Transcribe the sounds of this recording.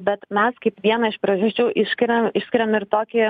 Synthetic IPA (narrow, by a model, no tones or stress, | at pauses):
bʲɛt̪mʲɛskɐɪpʋʲiɛnɐɪʃpɾɐʒʊsʲt͡ʃʲɛʊʔɪʃsʲkʲɪɾʲɛmɪʃsʲkʲɪɾʲɛmɪɾt̪oːkʲɪ